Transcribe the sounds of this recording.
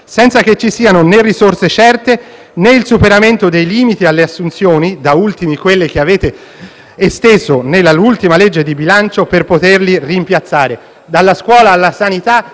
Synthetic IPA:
sɛnt̪sak̟et͡ʃːisiːanonerːisorset͡ʃɛrt̪e | neilsupeɾament̪od̪ejliːmit̪ialːeasːunt̪sjoːnid̪ault̪imikwelːek̟eaveːt̪eː | st̪ezonelːalult̪imaled͡ʒːed̪ibilant͡ʃoperpot̪erlirimpjat̪sːaːɾe | d̪alːaskwɔːlaːlːasanit̪a

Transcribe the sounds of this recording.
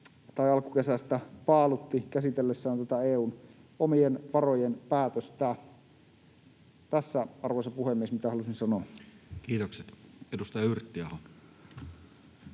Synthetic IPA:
t̪ɑiɑlkukesæst̪æpɑːlut̪ːikæsit̪elːesːæːnt̪uot̪ɑeːuːn | omienʋɑrojenpæːt̪øst̪æ | t̪æsːæɑrʋoisɑpuhemːiesmit̪æhɑlusinsɑnoːkiːt̪okset̪edust̪ɑjɑyrt̪ːiɑhon

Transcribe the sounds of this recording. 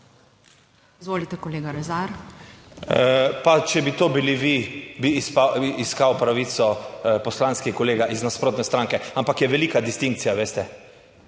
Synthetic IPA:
izʋoːlit̪ɛkoleːɡaɾɛzaɾ | pat͡ʃɛbit̪oːbiliʋibiːspaiskawpɾaʋit̪sɔpɔslanskixkɔleːɡaʔiznaspɾoːt̪nɛst̪ɾaŋkɛampakjɛʋɛliːkad̪ist̪iŋk̚t̪sijaʋeːst̪ɛ

